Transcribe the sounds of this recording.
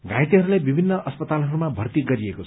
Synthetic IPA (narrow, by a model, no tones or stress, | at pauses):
ɡʱãjt̪iɦʌɾulajbibʱinːʌʔʌspʌt̪alɦʌɾumabʱʌrt̪iɡʌɾiekot͡sʰ